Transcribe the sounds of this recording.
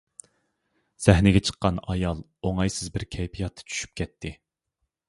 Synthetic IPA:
z̥ɛhnɪɡʲɛt͡ʃʰə̥qːɑnɑjɑlˠ | oŋɑjsɪzbɪɾkʲʰɛjpʰijɑt̪ʰːɑ̥t͡ʃʰy̥ʃy̥p̚kʲʰɛt̪ʰːɪ

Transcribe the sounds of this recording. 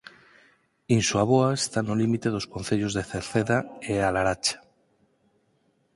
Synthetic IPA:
insuaβoaest̪anolimit̪e̞ð̞o̞sko̞n̟θeʎozðeθeɾθeðaealaɾat͡ʃḁ

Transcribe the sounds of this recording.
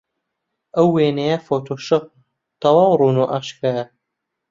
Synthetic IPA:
ɐwːeːnejɐfoːt̪ʰoːʃɨq̚ | t̪ɐwɑːwrˤuːnuʔaːʃkajɐ

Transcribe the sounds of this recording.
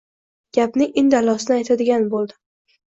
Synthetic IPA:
ɡ̥ʲapnɪʔɪnd̪alɒsɪnɪajt̪ʰad̪ɪɡʲanbolˠd̪ɪ

